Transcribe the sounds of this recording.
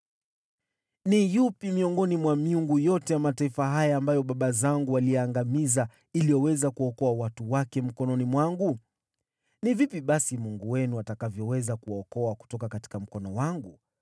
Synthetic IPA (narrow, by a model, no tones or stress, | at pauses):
nijupimiɔŋɡɔnimwamiuŋɡujɔtɛjamataifaɦajaːmbajɔɓaɓazaŋɡualijɛːŋɡamiza | ilijɔwɛzakuɔkɔawatuwakɛm̩kɔnɔnimwaŋɡu | nivipiɓasimuŋɡuwɛnuatakavjɔwɛzakuwaɔkɔaku̥tɔkakati̥kam̩kɔnɔwaŋɡu